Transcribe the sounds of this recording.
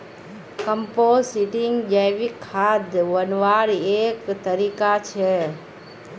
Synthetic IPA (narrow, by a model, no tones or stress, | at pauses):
kəmposiʈiŋɡd͡ʒəjʋikʰːad̪ʋənʋaɾeːkt̪əɾiːkat͡ʃʰe